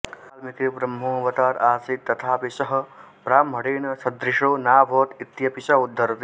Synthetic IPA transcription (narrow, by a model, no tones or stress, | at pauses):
almikɾibɾɐmɦõːʋɐt̪aːɾaːsiːt̪t̪ːɐt̪ʰaːpisɐɦɐ̆ | pɾaːmɦɐɽeːnɐsɐd̪ɾiʂoːnaːbʱoːt̪it̪jɐpiʃaud̪ʱːɐɾɐt̪i